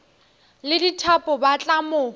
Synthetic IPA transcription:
lɪditʰapʼʊbat͡ɬʼamʊ

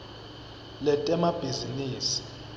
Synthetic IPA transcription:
lɛtʼɛmab̥ʱiziniːsi̥

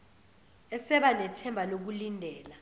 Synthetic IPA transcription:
ɛsɛɓanɛtʰɛmbʱalok̬ulindʱɛːla

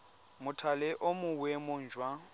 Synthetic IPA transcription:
mʊtʰalɛʔomʊwemʊnd͡ʒʱwa

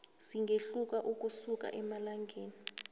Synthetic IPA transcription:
siŋɡʱeɬuk̬aʔuk̬ʼusuk̬ʼa̰ʔɛmalaŋɡʱeːni

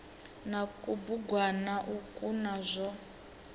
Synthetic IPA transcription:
nakʼubuɡwanaʔukʼunazʷɔ

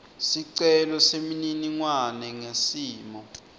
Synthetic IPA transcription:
siǀɛlɔsemininiŋwanɛŋesiːmɔ

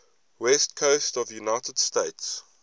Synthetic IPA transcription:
wɛstkʰoʊstɔvjunaɪtəd̥steɪts

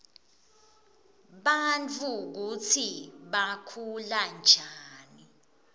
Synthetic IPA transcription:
ɓant͡fʰʼuk̬ut͡sʰiɓakʰuland͡ʒʱaːni

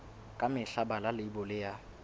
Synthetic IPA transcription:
kʼamɪɬabalalɪibɔlɪja

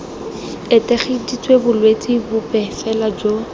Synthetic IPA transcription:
ɪtɛχidit͡sʰʼwebʊlwet͡sʼibʊpʼɛfɛlad͡ʒo

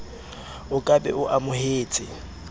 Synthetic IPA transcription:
ʊkʼabɛ̰ʔʊʔamʊheːt͡sʼɪ

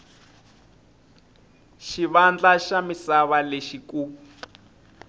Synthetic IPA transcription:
ʃiβand͡ɮaʃamisaβaleʃikuː

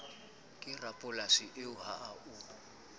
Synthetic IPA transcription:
kʼɪrapʼʊlasiʔɪʊhaʔauː

